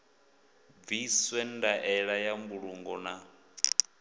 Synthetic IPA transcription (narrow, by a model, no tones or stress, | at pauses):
b̪viswɛndaʔɛɺajambuɺuŋɡɔ̰na